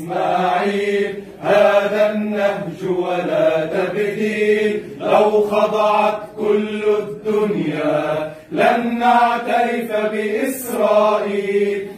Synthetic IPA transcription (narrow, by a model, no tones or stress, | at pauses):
maːʕiːl | haːðanːahd͡ʒʊwalaːt̪abɣiːl | ʔawxɑd̪ˤɑʕɑt̪kʊlːʊd̪ːʊnjaː | lannaʕt̪aɾɪfbɪʔɪsɾˤɑːʔiːll